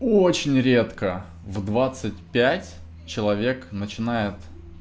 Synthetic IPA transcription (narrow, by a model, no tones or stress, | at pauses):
ot͡ɕɪnʲɾʲe̞t̪kə | vd̪vat̪sɨt̚ʲpʲætʲ | t͡ɕɪlˠɐvʲe̞knət͡ɕɪnajɪt̪